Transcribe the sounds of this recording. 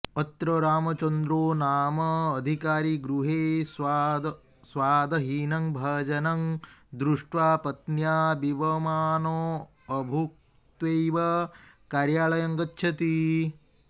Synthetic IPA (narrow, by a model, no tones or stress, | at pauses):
ɐt̪ːɾɐɾaːmɐt͡ʃɐnd̪ɾoːnaːmɐːd̪ʱikaːɾiɡɾuɦeːsd̪ | sʋaːd̪ɐɦiːnɐŋbʱɐːd͡ʒɐnɐŋd̪ɾuʂʈʋaːpɐt̪njaːbiʋɐmaːnoː | ɐbʱuk | t̪ʋejʋɐ | kaːɾjaːɭɐjɐŋɡɐtːʃʰɐt̪i